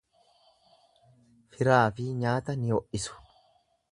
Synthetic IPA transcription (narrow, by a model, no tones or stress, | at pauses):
fɪɾaːfɪɲaːt̪ɐnɪɔʔɪsʊ̥